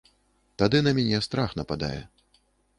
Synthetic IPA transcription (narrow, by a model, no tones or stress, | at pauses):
t̪ad̪ɨnɐmʲanʲɛst̪ɾaxn̪ɐpad̪a̰jɛ̰